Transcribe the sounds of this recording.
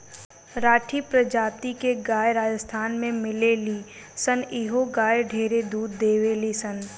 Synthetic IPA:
ɾaːʈʰipɾɐd͡ʒaːpt̪ikeɡaːjɾaːd͡ʒəst̪ʰaːnmẽmɪleliː | sə̃niɦoɡaːjɖʱeːɾed̪uːd̪ːeːʋeːlisɐ̃n

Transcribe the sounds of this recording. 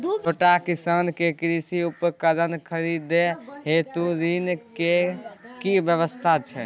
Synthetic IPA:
oʈakisənkekɾisiupkəd͡ʒənkʰəɾid̪eɦet̪uɾinkekibjəβəst̪ʰat͡ʃʰɛ̰

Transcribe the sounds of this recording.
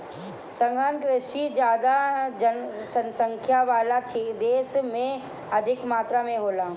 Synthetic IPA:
səŋɡankɾɪʃid͡ʒjaːd̪ad͡ʒə | səsə̃ŋkʰjaʋaːlat͡ʃʰed̪eːsmẽ | ɐd̪ʱɪkmaːt̪ɾamẽɦoːla

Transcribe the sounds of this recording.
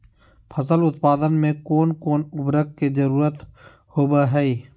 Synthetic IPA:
pʰəs̬əlʊt̪paːd̪ənmẽkoːnkoːnʊbɾəkːezəɾuːɾət̪ | hoːbaɦɛiː

